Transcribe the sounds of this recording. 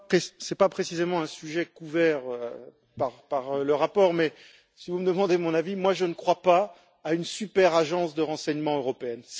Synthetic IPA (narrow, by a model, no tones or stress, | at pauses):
pχesɛpapχesizemɑ̃ɛ̃syʒɛkuvɛʁø | paʁpaʁləʁapɔʁmɛ | sivuməd̪əmɑ̃d̪emɔ̃navimwaʒənəkχwapaː | ynsypɛʁaʒɑ̃sd̪əʁɑ̃sɛɲmɑ̃øʁɔpeɛns